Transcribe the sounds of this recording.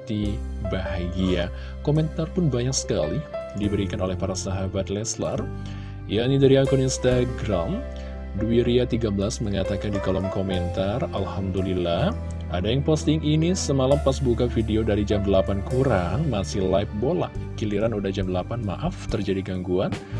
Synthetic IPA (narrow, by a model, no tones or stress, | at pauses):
t̪ibahaɡia̰ | komɛnt̪arpʊnbaɲak̚sə̥kalidibəɾikanolɛhpaɾasaɦabat̪lɛslə̰r | jaʔnidaɾiakuninst̪aɡɾam | duiɾiat̪iɡabəlasməŋat̪akandikolɔmkomɛnt̪aralhamd̪ulilah | adajaŋpost̪ɪŋinisəmalampasbukafideodaɾid͡ʒamdəlapankuɾaŋmasɪhla̰ip̚bola̰ʔkiliɾanudahd͡ʒamdəlapanma̰ʔaft̪ərd͡ʒadiɡaŋɡuan